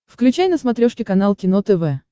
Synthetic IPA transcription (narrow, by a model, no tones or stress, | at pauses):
fklʲʉt͡ɕajnəsmɐt̪ɾʲoʂkʲɪkɐn̪alˠkʲɪnot̪ɛvɛ